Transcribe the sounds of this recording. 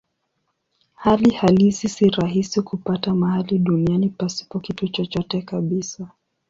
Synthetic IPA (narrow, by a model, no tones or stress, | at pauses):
halihalisisiɾaɦisikupatamahaliɗunianipasi̥pɔkitut͡ʃɔt͡ʃɔtɛkaɓisa